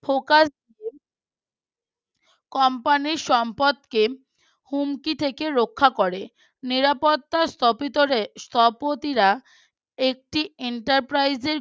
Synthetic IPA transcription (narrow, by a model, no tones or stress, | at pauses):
fokas | kɔmpaniɾʃɔmpod̪ke | humkit̪ʰekeɾokʰːakoɾe | niɾapot̪ːast̪ʰɔpit̪oɾest̪ʰɔpot̪iɾa | ek̚ʈieɳʈaɾpɾajzeɾ